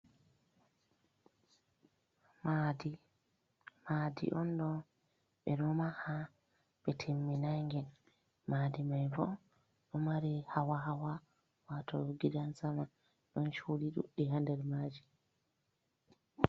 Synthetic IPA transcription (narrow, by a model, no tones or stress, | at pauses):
madi | madḭʔɔnɗɔ | ɓɛnɔmaha | ɓɛtʰemːinaŋɡɛn | maːdimajvɔ | ɗɔmaɾihawaɦawa | watɔɡidansama | ɗɔnt͡ʃuliɗṵɗːihandɛɾmaːd͡ʒi